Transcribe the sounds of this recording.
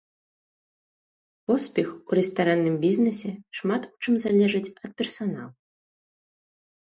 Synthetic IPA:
pɔspʲɛxuɾɛst̪aɾanːɨmbʲiznɛsʲɛʂmat̪u̥t͡ʂɨmzalʲɛʐɨt͡sʲɐt̪̚pʲɛrsana̰lˠ

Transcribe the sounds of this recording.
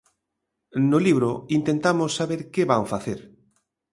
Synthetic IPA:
nʊliβ̞ɾoint̪ent̪amosːaβeɾkeβaɱfaθeɾ

